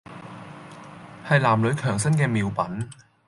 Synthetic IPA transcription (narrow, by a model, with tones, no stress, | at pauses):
hɐ˨jlaː˨˩mlɵ˨˧˥ɥkʰœː˨˩ŋsɐ˥nkɛː˧miː˨˧wpɐ˨˥n